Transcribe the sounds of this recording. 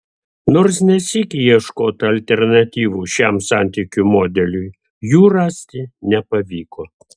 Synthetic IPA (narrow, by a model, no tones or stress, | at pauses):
noːɾs̬nʲɛsʲikʲɪjiɛʃkoːt̪ɐlʲt̪ʲɛɾnɐt̪ʲiːʋuːʃʲæmsɑnʲt̪ʲiːkʲumoːd̪ʲɛlʲʊj | juːɾɑːsʲt̪ʲɪnʲɛpɐʋʲiːkoː